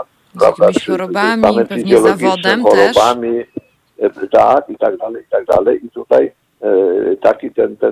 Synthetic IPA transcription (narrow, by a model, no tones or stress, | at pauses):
pɾa̰bd̪auisamɛnfiziɔlɔɡit͡ʃnɛkʰɔɾɔbami | d̪at̪it̪akd̪alɛit̪ak̚d̪a̰lɛʔit̪ut̪aj | t̪akit̪ɛnt̪ɛ